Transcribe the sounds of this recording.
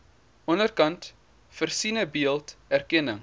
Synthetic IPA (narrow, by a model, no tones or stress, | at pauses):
ʔɔnərkɐnt | fərsinəbiəlˠtærkɛnəŋ